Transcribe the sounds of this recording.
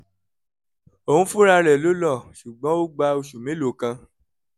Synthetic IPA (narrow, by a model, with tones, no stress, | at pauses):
o˨hũ˦fũ˦ɾa˧ɾɛ˨lo˦lɔ˦˨ʃu˨ɡ͡bɔ̃˨˦o˦ɡ͡ba˧o˧ʃu˨mẽ˨˦lo˨kã˧